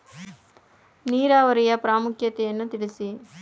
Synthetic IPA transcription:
niːɾaːʋɐɾijɐpɾaːmʊkʰjɐt̪ːɛjɐnːut̪ɪɽisi

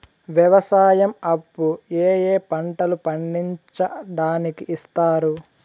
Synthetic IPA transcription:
ʋjɐʋɐsaːjɐmɐbːueːjeːpɐɳʈɐlupɐɳɖiɲt͡ʃɐɖaːnikiʔːst̪aːɾu

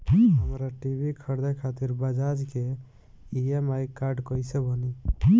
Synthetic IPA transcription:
ɦɦəmɾaʈibʱikʰəɾd̪akʰat̪iɾbəd͡ʒad͡ʒke | iemajkːaɾɖkɔjsebəni

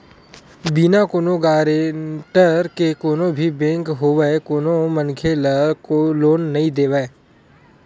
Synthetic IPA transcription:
binakoːnõɡaːɾeʈəɾkekoːnõbʱibẽːŋkɦoːʋekoːnomənkʰelkoloːnːɐɦĩd̪eːʋɛe

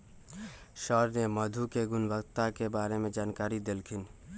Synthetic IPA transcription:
ʃɔːɾnemɐd̪ʱukeɡʊnʋəkt̪akebaːɾemẽd͡ʒaːnkaːɾid̪ɪlkʰɪn

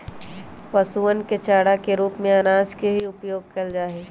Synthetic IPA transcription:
pɐsuənket͡ʃaːɽakeɾuːpmẽanaːd͡ʒkeɦiʊpjoːɡ̚kɐld͡ʒaːɦeː

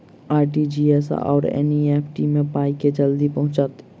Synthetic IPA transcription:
aːɾʈid͡ʒiːesɔ̰ːɾɛ̰nieːpʰʈimẽpaːiked͡ʒɐld̪ipɐɦʊ̃t͡ʃaːt̪

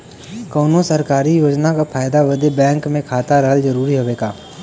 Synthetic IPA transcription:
kɔːnõsəɾkaːɾijoːd͡ʒnakapʰaːjɪd̪aʋəd̪ebɛ̃ːŋkmẽkʰaːt̪aɾɐɦəlzəɾuːɾiɦoːʋeːɡaː

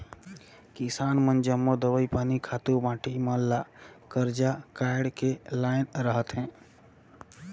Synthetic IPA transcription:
kisaːnmənd͡ʒəmːod̪əʋəipaːnikʰat̪ubãːʈiməlːakəɾd͡ʒakaɪɽkelaːɪnɾəɦət̪ɦɛ̃ː

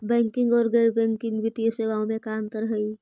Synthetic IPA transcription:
bɛ̃ːŋkɪ̃ŋɡɔːɾɡəːɾbɛ̃ːŋkɪ̃ŋɡʋɪt̪ijəseːʋaːõmẽkaːnt̪əɾɦəi

